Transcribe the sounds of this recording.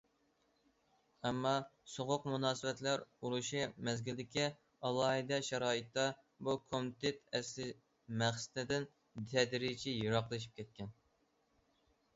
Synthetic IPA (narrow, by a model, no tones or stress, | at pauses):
ɛmːɑsoʁʊqmunɑːsɨwɛt̪læɾuɾuʃimɛzɡʲɪld̪ɪkʲi | ɑlˠɑːɦɨd̪ɛʃɛɾɑːɨt̪ːɑ | bukʰomt̪ʰet̪ɛslɪ | mæχsɪ̥t̪ɪd̪ɪn | t̪ʰɛd̪ɾit͡ʃʰijoɾɑqlˠɨʃ̬i̥p̚kʲʰɛt̪̚kʲɛn